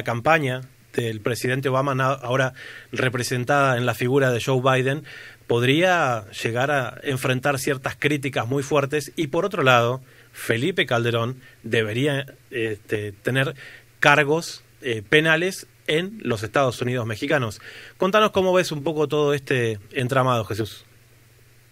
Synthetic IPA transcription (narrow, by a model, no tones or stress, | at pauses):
lakampaɲa | ðelpɾe̞siðe̞nt̪̬eo̞β̞amanaʔaoɾarepɾese̞nt̪aðaenlafiɣuɾaðe̞ʒowβajðenpo̞ð̞ɾiaʒ̥e̞ɣaɾaeɱfɾe̞nt̪aɾsjeɾt̪askɾit̪̬ikazmujfweɾt̪e̞sipo̞ɾot̪ɾo̞lað̞o̞ | fe̞lipe̞kald̪e̞ɾo̞nd̪e̞βe̞ɾia | et̪et̪e̞neɾkaɾɣo̞s | epe̞nale̞s | enlo̞s̬est̪að̞o̞sunið̞o̞zme̞xikano̞sko̞nt̪ano̞sko̞mo̞βe̞sumpo̞ko̞t̪o̞ð̞o̞est̪eːnt̪ɾamað̞o̞xe̞s̬us